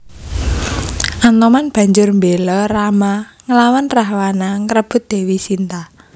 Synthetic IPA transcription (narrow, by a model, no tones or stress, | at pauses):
ʔant̪ɔmanb̥ä̤ɲd͡ʒʊrmbelɔramaŋəlawanraɦwanaŋɾəb̥ʊ̤t̪̚d̪̥e̤wisint̪a